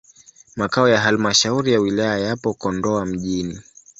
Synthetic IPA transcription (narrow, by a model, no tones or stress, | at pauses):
makaɔjaɦalmaʃauɾijawilajajapɔkɔndɔam̩ʄini